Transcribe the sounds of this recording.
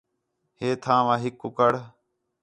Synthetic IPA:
heːt̪ʰãːʋãːɦɪkːʊkəɽ

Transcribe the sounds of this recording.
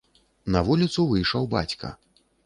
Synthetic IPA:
nɐvulʲit̪suvɨjʂɐwba̰t͡sʲkɐ̰

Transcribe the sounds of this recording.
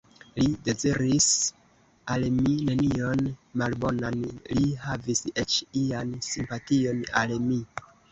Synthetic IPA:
lide̞ziɾis | almine̞nio̞nmalbo̞nanlihaviset͡ʃiansimpatio̞na̰lmi

